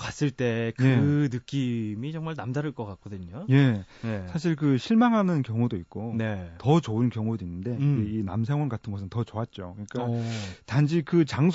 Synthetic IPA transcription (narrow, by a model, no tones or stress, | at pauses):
k͈as͈ɯɭt͈e̞kjeɯnɯk͈imit͡ɕʌŋmaɭnamd͡ʑaɾɯɭk͈ʌk͈akk͈ʰodɯɲoje̞ | nesʰaɕ̬ʰiɭk̬ɯɕʰiɭmaŋɦanɯnkjʌŋudoit̚k͈one̞tʌt͡ɕoɯnkjʌŋudoinːɯnde̞iɡe̞ina̰msʰaŋwʌnɡatʰɯnɡʌsʰɯntʌt͡ɕʌat̚t͡ɕ͈okɯɲik͈atand͡ʑʰikɯt͡ɕaŋsʰ